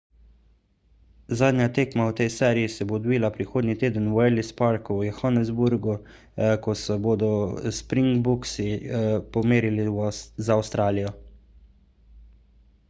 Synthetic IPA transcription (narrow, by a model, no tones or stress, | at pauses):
zaːd̪nʲjat̪eːkmawt̪ɛjsɛːɾijisɛbod̪biːlapɾixoːd̪nit̪eːd̪ənwɛlispaɾkuwjɛxɔnɛzbuɾɡu | kɔsɛboːd̪ɔspɾiŋɡbuksipɔmeːɾilizaːwst̪ɾaːlijɔ